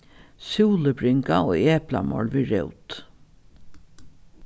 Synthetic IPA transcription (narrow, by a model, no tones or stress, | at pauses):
suːləbɾɪŋkaoːeːpla̰mɔ̰lʋiːɾɛʊt̪